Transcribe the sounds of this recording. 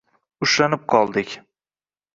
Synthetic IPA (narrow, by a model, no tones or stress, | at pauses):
ʊʃlanɪp̚qʰɒlˠd̪ɪkʲ